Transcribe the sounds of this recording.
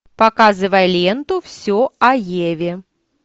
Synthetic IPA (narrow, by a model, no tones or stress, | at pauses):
pɐkazɨvəjlʲent̪ʊfsʲoɐjevʲɪ